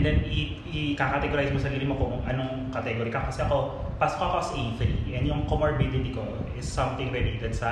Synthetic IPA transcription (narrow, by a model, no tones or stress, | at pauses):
nd̪ɛnɪ | ɪkakɐt̪ɛɡoɾajsmosɐɾiːɾɪmokʊŋʔɐnoŋ | kɐt̪ɛɡoːɾikɐkɐsɛʔɐko̞ | paso̥koɐkoɐsʔenflḭʔɛnd̪jʊŋkomoɹbɪd̪ɪt̪iko̞ɪsːɐ̃mt̪ɪ̃ŋɾɛlet̪ɛd̪sɐ